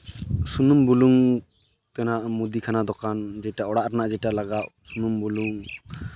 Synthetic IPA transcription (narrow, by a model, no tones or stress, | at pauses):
sunumbuluŋ | kɛnaʔmud̪ikʰanad̪ɔkʰand͡ʒɛjʈaɔɽaʔɾanaʔd͡ʒɛʈalaɡaʔsunumbuluŋ